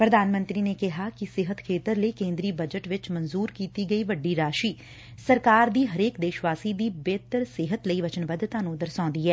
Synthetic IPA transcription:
pɾəd̪aːnmə̃nt̪ɾiːneːkɪɦaːkɪsɪɦət̪kʰeːt̪əɾləiːkẽːnd̪ɾiːbəd͡ʒəʈʋɪt͡ʃmənzuːɾkiːt̪iːɡəiːʋəɖːiːɾaːʃiː | səɾkaːɾd̪iːɦəɾeːkd̪eːʃʋaːsiːd̪iːbeːt̪əɾsɪɦət̪ləiːʋət͡ʃənbəd̪t̪ãːnũːd̪əɾsãːnd̪iːɛː

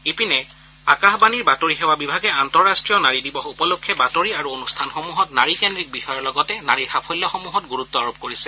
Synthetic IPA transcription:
ipinɛ | akaxbaniɹbatoɹiɦɛwabibʱaɡɛantɔɹastɹijɔnaɹidibɔxupɔlokʰːɛbatoɹiaɹuonustʰanxomuɦɔtnaɹikendɹik̚bixɔjɔɹlɔɡɔtɛnaɹiɹxapʰɔjlːɔxomuɦɔtɡuɹutːɔaɹob̚koɹisɛ̥

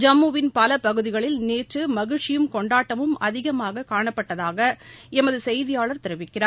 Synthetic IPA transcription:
d͡ʒɐmːuːʋɪnpɐlɐpɐɣɯðɪɣɐɭɪlneːʈrɯmɐɣɪɻʈt͡ʃɪjɯmkɔɳɖaːʈːɐmɯmɐ̰ðɪɣɐmaːɣɐkaːɳɐpːɐʈːɐðaːɣɐɛmɐðɯsɛjðɪjaːɭɐɾt̪ɪɾɯʋɪkːɪraːɾ

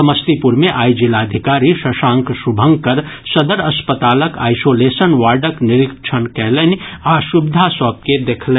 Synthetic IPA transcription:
ɐməst̪ipuɾmẽʔaːid͡ʒilad̪ʱɪkaːɾiʃəʃãːŋkʰʃʊbʱə̃ŋɡkəɾsɐd̪əɾɐspət̪aːləka̰ːɪsoːleːsənʋaːɖəknɪɾɪkt͡ʃʰənkɛːleniaːʃʊbɪd̪ʱasɔːp̚ked̪eːkʰle

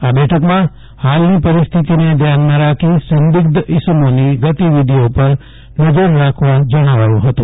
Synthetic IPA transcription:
abɛʈʰəkmã | halnipəɾɪst̪ʰit̪ined̪ʱjanmãɾakʰisə̃nd̪ɪkd̪ɪsəmoniɡət̪iʋid̪ʱiopəɾ | nəd͡ʒəɾːakʰʋad͡ʒəɽ̃aʋajũɦət̪ũ

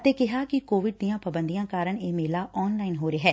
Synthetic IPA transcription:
ət̪eːkɪɦaːkɪkoːʋɪɖd̪ijãːpəbənd̪ijãːkaːɾəɳeːmeːlaːʔɔːnlaːɪinɦoːɾeɦɛː

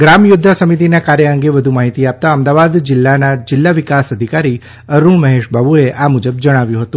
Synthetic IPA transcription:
ɡɾamjʊd̪ʱːasəmit̪̬inakaɾjəəŋɡeʋəd̪ʱumaɦit̪iap̚t̪aəmd̪aʋad̪d͡ʒɪlːanad͡ʒɪlːaʋikasəd̪ʱikaɾi | əɾũməɦeʃbʱabueʔʔamud͡ʒəbd͡ʒəɽ̃aʋjũɦət̪ũ

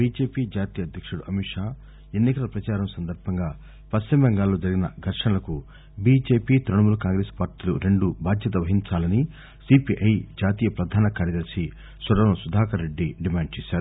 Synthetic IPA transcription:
biːd͡ʒe̞ːpiːd͡ʒaːt̪iːjɐd̪ʱjɐkʂuɽuʔɐmiʂaː | enːikɐlɐpɾɐt͡ʃaːɾɐmsɐnd̪ɐɾbʱɐŋɡaː | pɐstɐmbɐŋɡaːlːo̞ːd͡ʒɐɾiɡinɐɡʱɐɾʂɐnɐlɐku | biːd͡ʒe̞ːpiːt̪ɾɐɳɐmulukaːŋɡɾeːspaːɾʈiːluɾe̞ɳɖubʱaːd̪ʱjɐt̪̬ɐʋɐɦiɲt͡ʃaːlɐni | sipiʔɐjd͡ʒaːt̪iːjɐpɾɐd̪ʱaːnɐkaːɾjɐd̪ɐɾɐsi | sɐɾɐmɐsud̪ʱaːkʰɐɾːeɖːiɖimaːɳɖ̚t͡ʃeːsaːɾu

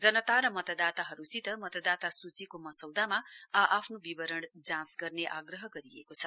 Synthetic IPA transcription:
d͡zʌnʌt̪aɾʌmʌt̪ʌd̪at̪aɦʌɾusit̪ʌmʌt̪ʌd̪at̪asut͡sikomʌsʌwd̪amaaʔapʰnobibʌɾʌɽ̃d͡zãsɡʌrneʔa̰ɡrʌɦʌɡʌɾiḛkot͡sʰʌ̥

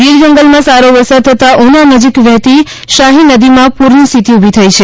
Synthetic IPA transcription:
ɡiɾd͡ʒəŋɡəlmãsaɾoʋəsət̪ʰət̪aʔunanəd͡ʒikʋjəɦt̪i | ʃaɦinəd̪imãpuɾnist̪ʰit̪iubʱit̪ʰəit͡ʃʰe

